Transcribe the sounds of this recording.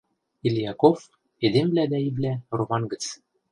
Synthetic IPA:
ilʲjɑkof | ed̪emblæd̪æiβlæromɑnɡə̆t͡s

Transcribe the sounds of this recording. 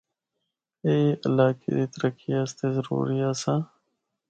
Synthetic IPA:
eːɪlaːkḛd̪iːt̪əɾəkijaːst̪eːzəɾṵːɾijaːsãː

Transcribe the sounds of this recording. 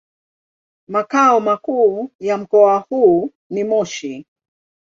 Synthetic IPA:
makaɔmakuːjam̩kɔahuː | nimɔʃi

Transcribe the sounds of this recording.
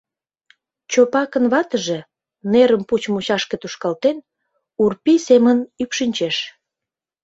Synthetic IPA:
t͡ɕopɑkənβɑt̪əʒe | neɾəmput͡ɕmuɕɑʃket̪uʃkɑlt̪en | urpisemənypʃinʲt͡ɕeʃ

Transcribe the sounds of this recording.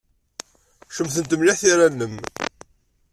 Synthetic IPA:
ʃəmθənt̪əmlɪħθiɾænːəm

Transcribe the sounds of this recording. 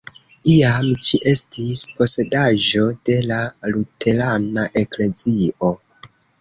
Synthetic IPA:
iamt͡ʃiʔe̞stispo̞se̞daʒo̞de̞lalutʰe̞lanaʔe̞kle̞zio̞

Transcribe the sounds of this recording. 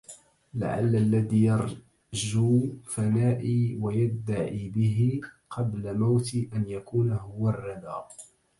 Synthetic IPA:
la̰ʕa̰lːalːaðiːjɑɾˤ | d͡ʒuːfanaːʔiwajad̪ːaʕiːbɪɦɪqʰɑblamawt̪ɪʔanjakuːnaɦʊwɑrˤːɑd̪aːʔ

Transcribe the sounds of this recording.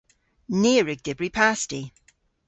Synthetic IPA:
niːəɹɪɡ̚d̥ɪbɹipʰasti

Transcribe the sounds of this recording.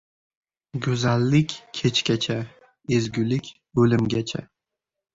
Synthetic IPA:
ɡʊzalːɪkʲʰːet͡ʃkʲat͡ʃʰa | ezɡʲʊlɪkʲ | ɵlɪmɡʲat͡ʃʰa̰

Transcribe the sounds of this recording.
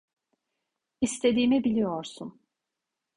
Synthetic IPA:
ist̪ʰe̞d̪iːmibilʲijo̞ɾsun

